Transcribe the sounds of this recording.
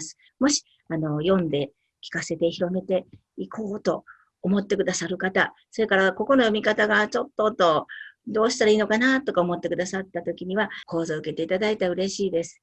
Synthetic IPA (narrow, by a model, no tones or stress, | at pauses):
sɨ̥ | mo̞ɕi̥ | ano̞jõ̞nd̪e̞ | kʲi̥kase̞t̪e̞çiɾo̞me̞t̪e̞ | ikʰo̞ːt̪o̞ː | mo̞t̪ːe̞kɯ̟d̪asaɾɯ̟kat̪a | so̞ɾe̞kaɾako̞ko̞nojo̞mʲikat̪aɡat͡ɕo̞t̪ːo̞t̪ːo̞d̪o̞ːɕi̥t̪aɾaiːno̞kanat̪o̞kaomo̞t̪ːe̞kɯ̟d̪asat̪ːat̪o̞kʲiɲ̟iβako̞ːzoɯ̟ke̞t̪e̞it̪ad̪ait̪aɯ̟ɾe̞ɕiːd̪e̞sɨ̥